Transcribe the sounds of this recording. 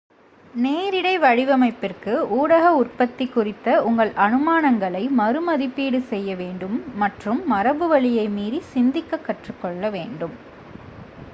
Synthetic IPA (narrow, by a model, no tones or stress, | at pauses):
neːɾɪɽɐɪʋɐɻɪʋɐmɐɪpːɪrkɯuːɽɐɣɐʊrpɐt̪ːɪkːʊrɪt̪ːɐʊŋɡɐɭʔɐnɯmaːnɐŋɡɐɭɐɪmɐɾɯmɐðɪpːiːɽɯsɛjːɐʋeːɳɖɯmːɐʈrɯmːɐɾɐbɯʋɐɭɪjɐɪmiːðisɪnd̪ɪkːɐkːɐʈrɯkːɔɭːɐʋeːɳɖɯm